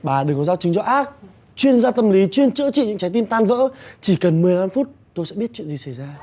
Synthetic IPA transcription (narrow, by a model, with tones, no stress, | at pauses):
ɓaː˨˩ɗɨ˨˩kɔ˨˦zaː˧wt͡ɕï˨˦ŋzɔ˧˦ʔaː˦˥k̚ | t͡ɕwi˧ənzaː˧t̪ə˧mli˨˦t͡ɕwi˧ənt͡ɕɨ̰˧˥t͡ɕḭ˧˨ɲɨ̰˧˥ŋt͡ɕa˨˦jt̪i˧nt̪aː˧nvə̰ː˧˥t͡ɕi˧˩kə˨˩nmɨ˨˩əjlaː˧mfu˦˥t̚ | t̪o˧jsɛ̰˧˥ɓi˦˥ət̚t͡ɕwḭ˧˨nzi˨˩sa˧˩jzaː˧